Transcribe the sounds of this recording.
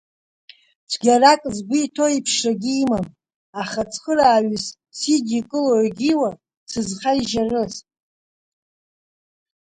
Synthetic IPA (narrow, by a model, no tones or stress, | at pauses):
t͡ʃʷʰɡʲarakʼzɡʷiːtʰo̞ipʰʃraɡʲiːmam | aχat͡sʰʼχəraːɥɨs | sidikʼɨloɡʲiwa | t͡sʰɨzχaiʒarɨsʼ